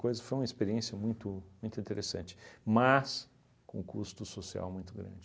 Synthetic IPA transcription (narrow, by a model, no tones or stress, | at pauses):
kojzɐfojũmɐispeɾiẽsiɐmũj̃t̪ʊmũj̃t̪ʊĩt̪eɾesɐ̰̃nt͡ʃɪ̥mɐs | kõ̰kust̪ʊsosia̰wmũj̃t̪ʊɡɾɐ̰̃nd͡ʒɪ